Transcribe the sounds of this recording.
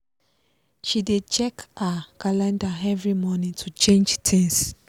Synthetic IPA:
ʃidet͡ʃɛkakalãndaɛvɹimɔnĩŋtʰut͡ʃẽnd͡ʒtʰĩŋs

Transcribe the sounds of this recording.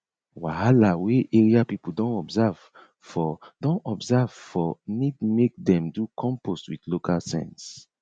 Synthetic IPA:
wahalaweʔeɹiapipudɔ̃nɔbzav̥ | fɔdɔ̃nɔbzav̥fɔnidmek̚dɛ̃mdukʰɔ̃mpostwidlokʰalsɛ̰̃ns

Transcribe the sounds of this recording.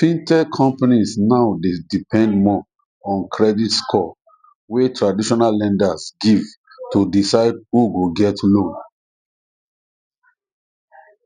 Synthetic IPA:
fĩntɛkʰɔ̃mpanisnaʊdedipʰɛ̃ndmɔ | ɔ̃nkʰɹɛditskʰɔ | wetʰɹadiʃɔnalːɛ̃ndasɡiv | tudisaɪd̚huɡoɡɛtʰlõn

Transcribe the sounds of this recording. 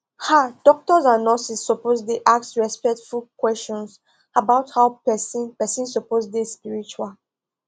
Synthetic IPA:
had̥ɔk̚tɔzãnɔsisːoposdeʔaksɹɛspɛk̚tfulkwɛst͡ʃɔ̃ns | abaʊthaʊpɛsĩnpɛsĩnsoposdespiɹit͡ʃual

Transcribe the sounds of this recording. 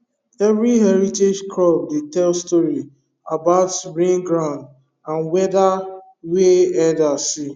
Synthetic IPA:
ɛvɹiɦɛɹited͡ʒkʰlɔb̚detɛlstɔɹi | abaʊtɹẽnɡɹãʊ̃nd | ãnwɛda | weɛdasi

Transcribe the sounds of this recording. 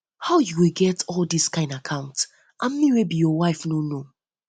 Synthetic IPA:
haʊjuwilɡɛtʰɔldiskãɪ̃ndakʰãʊ̃nt | ʔãmmĩwebijɔwaɪfnono

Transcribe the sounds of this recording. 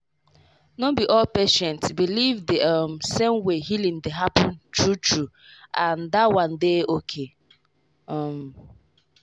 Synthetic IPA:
nobiʔɔlpeʃɛ̃ntbilivdeʌmsẽmweɦilĩndeɦapʰɔ̃ntɹutɹu | ãndawãndeokʰe | ɔm

